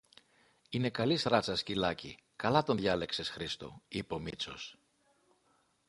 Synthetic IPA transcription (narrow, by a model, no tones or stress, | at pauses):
ine̞kɐlisɾɐt͡sɐscilɐcḭ | kɐlɐt̪o̞nðʝɐle̞kse̞sxɾist̪o̰ipo̞mit͡so̞̰s